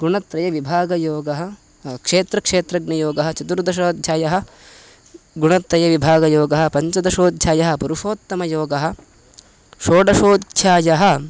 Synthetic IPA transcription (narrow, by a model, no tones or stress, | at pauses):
ɡuɳɐt̪ɾɐjɐʋibʱaːɡɐjoːɡɐɦɐ̆ | kʂeːt̪ɾɐkʂeːt̪ɾɐɡnɐjoːɡɐɦɐt͡ʃɐt̪uɾd̪ɐʃ̬oːd̪t͡ʃaːjɐɦɐ̆ | ɡuɳɐt̪ɾɐjɐʋibʱaːɡɐjoːɡɐɦɐ̆pɐɲt͡ʃɐd̪ɐʃoːd̪ʱjaːjɐɦɐ̆puɾuʂoːt̪ːɐmɐjoːɡɐɦɐ̆ | ʃoːɖɐʃoːd̪t͡ʃaːjɐɦɐ̆